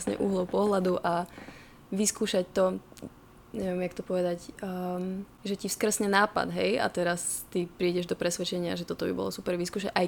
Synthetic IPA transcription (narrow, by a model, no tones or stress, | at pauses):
sɲɛ̰ʔuɦlɔʊpɔɦlad̪uʔa | ʋiskuːʃact̪ɔ | ɲɛʋɛmjak̚t̪ɔpɔʋɛd̪acː | ʒɛcifskr̩sɲɛnaːpa̰d̪ɦɛja̰t̪ɛɾast̪ipɾiːɟɛʒd̪ɔpɾɛsʋɛt͡ʃɛɲɪa̰ʒɛt̪ɔt̪ɔbḭbɔ̰lɔsupɛɾʋiskuːʃacʔaj